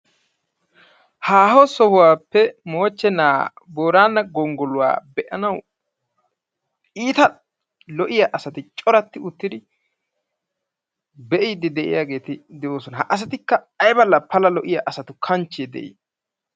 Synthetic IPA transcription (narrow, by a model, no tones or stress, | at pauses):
haːɦɔsɔhʊwaːpːɛmoːt͡ʃːɛnaːboːɾaːnːɐɡɔŋɡɔlʊwa̰ːbɛʔɐnɐw | iːt̪ɐ | lɔʔɪjaʔɐsɐt̪ɪt͡ʃʼɔɾɐt̪ːɪʊt̪ːɪd̪ɪ | bɛʔid̪ɪd̪ɛʔɪ̰jaːɡe̞ːt̪ɪd̪ɛʔo̞ːsɔnɐhɐʔɐs̬ɐt̪ɪkːɐ | ɐjbɐlːɐpʰɐlɐlɔʔɪjaʔɐsɐt̪ʊkʰɐnt͡ʃːeːd̪ɛ̰ʔḭ